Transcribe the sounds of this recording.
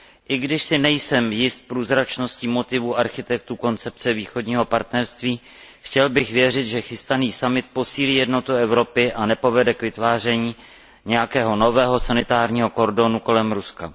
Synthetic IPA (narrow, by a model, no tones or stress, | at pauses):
ʔɪɡdɪʃsɪnɛjsɛmjɪst̪̚pɾuːzɾat͡ʃno̞scimo̞t̪ɪvuʔaɾxɪt̪ɛkt̪uko̞nt͡sɛp̚t͡sɛviːxo̞dɲiːɦo̞paɾt̪nɛɾst̪viː | xcɛlbɪxvjɛr̝ɪt̪ʒɛxɪst̪aniːsamɪt̪̚po̞siːliːjɛdno̞t̪uɛvɾo̞pɪʔanɛpo̞vɛdɛkvɪt̪vaːr̝ɛɲiː | ɲɛjakɛːɦo̞no̞vɛːɦo̞sanɪt̪aːɾɲiːɦo̞ko̞ɾdo̞nuko̞lɛmɾuska̰